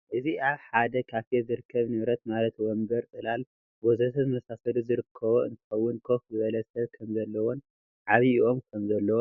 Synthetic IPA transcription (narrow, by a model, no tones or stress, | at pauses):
ʔɨziaβħad̪ɐkʰaft̪ezɨɾɨkʰːɐβnɨβɾɐt̪̚malɐt̪wɔmbɐɾt̪ʼɨlal | wɔzɐt̪ʰɐzɨmɐsasɐluzɨɾɨkʰːɐβoɨ̰nt̪ʰɨ̥xɐwːʊnkʰofzɨβɐlɐsɐβkʰɐmzɐlːɐwon | ʕaβiiʔo̞mkʰɐmzɐlːɐwo